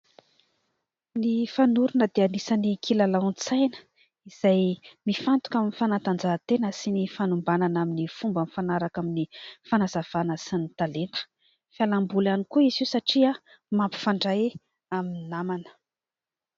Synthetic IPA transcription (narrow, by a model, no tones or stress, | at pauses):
nifanuɾunəd̪eanisənikʰilalant͡sajnə̥ | iz̥ajmifant̪u̥kaminifanant̪and͡zat̪enəsinifanumbananaminifumbənifanaɾakaminifanazav̥anəsinit̪alent̪ə̥ | falambulanikuiziwsaʈ͡ʂia | mampi̥faɳɖ͡ʐaj | aminamanə̥